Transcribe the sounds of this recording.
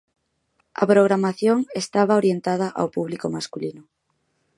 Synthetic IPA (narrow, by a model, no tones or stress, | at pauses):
a̰pɾoɣɾamaθjoŋest̪aβ̞aoɾjent̪aðaʔa̰wpuβlikomaskulinʊ